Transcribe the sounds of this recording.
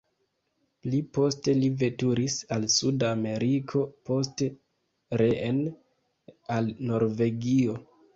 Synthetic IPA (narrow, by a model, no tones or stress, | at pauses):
plipo̞ste̞live̞tuɾisalsudame̞ɾikʰo̞po̞s̬te | ɾeʔen | alno̞ɾve̞ɡio̞